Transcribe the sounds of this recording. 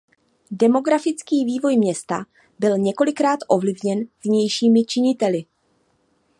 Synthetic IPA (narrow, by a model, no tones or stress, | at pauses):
dɛmo̞ɡɾafɪt͡skiːviːvo̞jmɲɛst̪a̰ | bɪlɲɛko̞lɪkɾaːt̪ʔo̞vlɪvɲɛnvɲɛjʃiːmɪt͡ʃɪɲɪt̪ɛlɪ